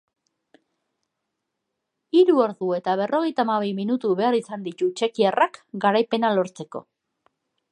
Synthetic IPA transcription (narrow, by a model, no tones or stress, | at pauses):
iɾuo̞ɾðue̞t̪aβ̞e̞rʔo̞ɣ̞e̞jt̪amaβejminut̪uβe̞aɾisand̪it̪ut͡ʃe̞kierakɡaɾajpe̞nalo̞ɾt͡se̞ko̞̰